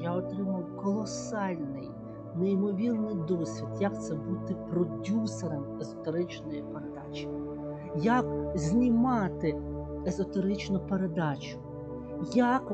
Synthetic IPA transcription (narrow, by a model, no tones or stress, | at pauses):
jaɔt̪ɾɪmɐwkɔlˠɔsɑlʲnɪ̰j | neimɔʋʲirnɪjd̪ɔsʲʋʲid̪jɐkt̪sɛbut̪ɪpɾɔdʲuseɾɐmezɔt̪eɾɪt͡ʃnɔjipeɾed̪ɑ̰t͡ʃɪ̥ | jɐkzʲnʲimɑt̪ɪ | ezɔt̪eɾɪt͡ʃnʊpeɾed̪ɑt͡ʃʊ̥ | jak